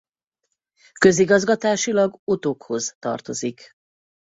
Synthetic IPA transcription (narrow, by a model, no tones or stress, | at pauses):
kø̞ziɡɒzɡɒt̪aːʃilɒɡo̞t̪okho̞zt̪ɒ̰rt̪o̞zik